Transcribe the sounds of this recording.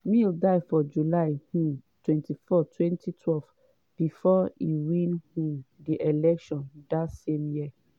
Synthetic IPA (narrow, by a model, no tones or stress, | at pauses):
mĩldaɪfɔd͡ʒulaɪhũtwɛ̃ntʰifɔtʰwɛ̃ntʰitʰwɛlv | b̥ifɔiwĩnhũdiʔelɛkʃɔ̃ndatsẽmjiɛ